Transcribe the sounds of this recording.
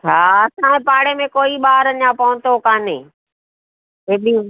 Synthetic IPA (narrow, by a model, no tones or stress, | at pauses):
t͡ʃʰaːɐsãẽpaːɽemẽkoːiɓaːɾɐɲãpɐʋʊ̃nt̪okaːnẽː | eːbi